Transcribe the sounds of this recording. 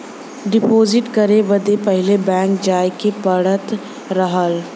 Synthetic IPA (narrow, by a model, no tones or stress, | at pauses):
ɖɪpoːzɪʈkɐɾeʋɐd̪epɐɦɪlebɛ̃ːŋk̚d͡ʒaːjkepɐɽət̪ | ɾɐɦəl